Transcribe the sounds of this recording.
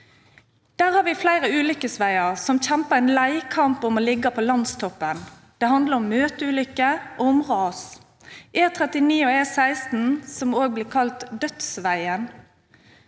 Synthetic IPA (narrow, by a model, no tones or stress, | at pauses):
d̪̥æːʁhɑːɾʋiːflæɪʁəʉːlʏkəsʋæɪəʁsɔmçæmpəɛɪnlæɪkʰɑmpɔmoːlɪɡːəpʰoːlɑnst̪ʰɔpːən | d̪̥ɛhɑnd̪ləʁɔmːøːt̪əʉːlʏkːəʔoːʊmʁɑːs | ʔeːt̪ʰʁɛt̪ɪniːoːeːsæɪst̪n̩sɔmoːɡ̚bliːkʰɑlt̪d̪œt̪sʋæɪən